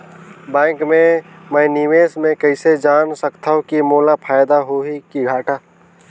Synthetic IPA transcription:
bɛ̃ːŋkmẽmɛ̃ːniʋeːsmẽkəɪsed͡ʒaːnsəkt̪ʰaːõkimoːlapʰaːjd̪aɦoɦikiɡʱaːʈʰaː

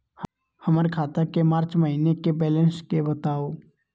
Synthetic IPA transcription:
h | həməɾekʰaːt̪akemaːɾt͡ʃməɦinekebɛːlə̃nskebət̪aːoː

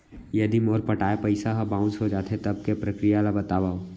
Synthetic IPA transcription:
jɐd̪imoːɾpɐʈaːepɐɪsaɦabãʊsɦod͡ʒaːt̪et̪ɐb̚kepɾɐkɾijalabɐt̪aːʋaːo

